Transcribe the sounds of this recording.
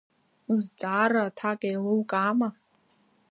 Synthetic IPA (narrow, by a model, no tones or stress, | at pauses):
uzt͡sʼaːratʰakʼajlowkʼaːma